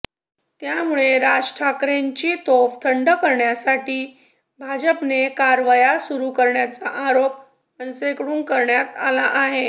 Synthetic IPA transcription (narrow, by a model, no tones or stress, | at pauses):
t̪jamuɭeɾad͡ʑʈʰakɾeɲt͡ɕiːt̪oʋt̪ʰəɳɖəkəɾɳjasaʈiː | bʱad͡ʑəpnekaɾʋəjasuɾukəɾɳjat͡saʔaɾop̚ | ənsekɽuːŋkəɾɳjat̪alaʔaɦe